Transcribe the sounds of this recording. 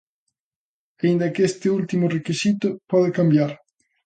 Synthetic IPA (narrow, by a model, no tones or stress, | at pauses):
eind̪akest̪ɪult̪imʊrekisit̪ʊpɔðɪkambjaɾ